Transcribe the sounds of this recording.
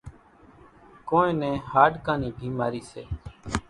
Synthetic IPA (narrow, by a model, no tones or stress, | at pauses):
kõːẽːnẽːhaːɖkãːniːbʱiːmaːɾiːsḛː